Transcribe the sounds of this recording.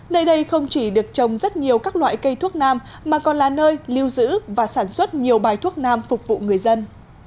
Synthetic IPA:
nəː˧jɗə˧jxə˧wŋ͡mt͡ɕi˧˩ɗɨ˨˩ək̚t͡ɕə˨˩wŋ͡mzə˦˥t̚ɲi˨˩əwkaː˦˥k̚lwa̰ː˧˨jkə˧jt̪ʰu˦˥ək̚naː˧mːaː˨˩kɔ˨˩nlaː˨˩nəː˧jli˧wzɨ̰˧˥vaː˨˩saː˧˩nswə˦˥t̚ɲi˨˩əwɓaː˨˩jt̪ʰu˦˥ək̚naː˧mfʊ˨˩k͡p̚vṵ˧˨ŋɨ˨˩əjzə˧n

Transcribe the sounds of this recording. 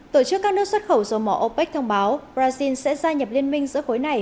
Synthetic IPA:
t̪o̰˧˨t͡ɕɨ˦˥kːaː˦˥k̚nɨ˦˥ək̚swə˦˥t̚xə˧˩wzɔ˨˩mɔ̰˧˩ʔo˧pɛ˦˥k̚t̪ʰə˧wŋ͡mɓaː˨˦wpɾaː˧zi˧nsɛ̰˧˥zaː˧ɲə˨˩p̚li˧ənmï˧ŋ̟zɨ̰˧˥əko˨˦jna˨˩j

